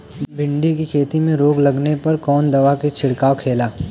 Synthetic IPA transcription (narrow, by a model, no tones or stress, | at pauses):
bʱɪ̃ɳɖikikʰeːt̪imẽɾoːɡlɐɡnepɐɾkɔːnd̪ɐʋaket͡ʃʰɪɽkaːwkʰeːlaː